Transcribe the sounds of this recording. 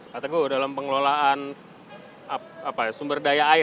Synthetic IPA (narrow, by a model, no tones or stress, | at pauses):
kat̪aɡudalampəŋlolaʔan | a | apajsumbərdajaːi